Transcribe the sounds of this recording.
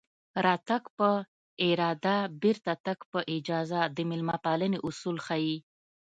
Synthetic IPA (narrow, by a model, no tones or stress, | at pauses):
ɾɑt̪akpə | ɪɾɑd̪abɪɾt̪at̪akpəʔɪd͡ʒɑzad̪əmɪlmapaləneʔʊsulxɑi